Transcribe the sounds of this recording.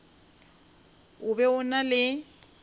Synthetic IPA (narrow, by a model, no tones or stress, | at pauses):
ʊbɛʊnalɪ